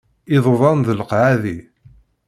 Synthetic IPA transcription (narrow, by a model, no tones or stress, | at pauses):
ɪðˤðˤɑnðələqʕaði